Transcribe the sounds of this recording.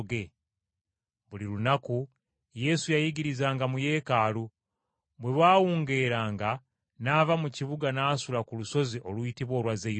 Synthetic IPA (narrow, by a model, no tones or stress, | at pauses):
ɡe | βulilunaku | je̞sujajiɟiɾizaːŋɡamuje̞ːkaːlu | bwe̞βaːwuːŋɡe̞ɾaːŋɡa | naːvamuciβuɡanasulakuluso̞ziʔo̞lwuitiβo̞ːlwaze